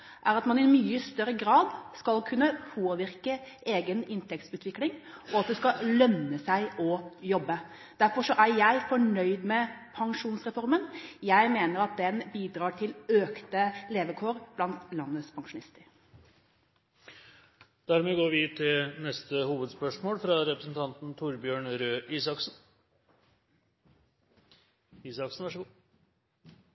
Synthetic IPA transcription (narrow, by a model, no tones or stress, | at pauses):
ʔæɾɑt̪mɑnɪmyːəst̪œɾːəɡɾɑːd̪skɑlkʰʉnːəpʰoːʋɪɾkə | eːɡənɪnt̪ʰɛkt̪ʉːt̪ʰʋɪklɪŋɔɑt̪̚d̪ɛskɑlœnːəsæɪʔɔjɔbːə | d̪̥æɾfɔʂɔʔæɾjæɪfɔɳœʏd̪mɛpʰɑŋʂuːnsɾɛfɔɾmənjæɪmeːnəɾɑt̪̚d̪ɛnbiːd̪ɾɑːʈʰɪløːkt̪əleːʋəkʰoːɾb̥lɑnt̪lɑnːəspʰɑŋʂʊnɪst̪əɾ | d̪̥æɾmeːɡoːɾʋɪt̪ʰɪlnɛst̪əhuːʋəd̪spœʂmoːlfɾɑɾɛpɾəsn̩t̪ʰɑnt̪n̩t̪ʰʊɾbjøːɳɾøːʔiːsɑksn̩ | iːsɑksn̩ʋæʂəɡː